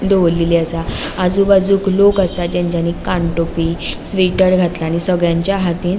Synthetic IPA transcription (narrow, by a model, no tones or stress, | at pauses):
d̪oʋlːiliasa | ad͡zubad͡zuːklokasad͡ʑãɲd͡ʑanikaɳʈopiːsʋiʈəɾɡʱat̪laːñisəɡɭjãɲt͡ɕjaɦat̪iːn